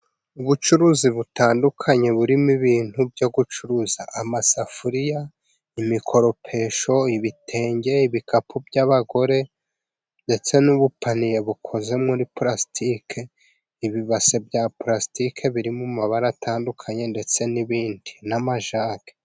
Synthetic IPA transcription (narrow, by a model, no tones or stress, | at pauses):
uβut͡ʃuɾuziβutaːndukʰaɲe̞βuɾimiβiːn̥hubjo̞ɡut͡ʃuɾuzaʔamasafuɾija | imikʰo̞ɾo̞pʰe̞ʃo̞iβitʰe̞ːɲɟe̞iβikapʰubɟaβaɡo̞ɾe̞ | nde̞t͡se̞nuβupanije̞βukʰo̞ze̞mŋuɾipɾastʰikʰe | iβiβase̞bjapɾastikʰe̞βiɾimumaβaɾatʰaːndukʰaɲe̞nde̞t͡se̞niβiːndinamaʒaːɡe̥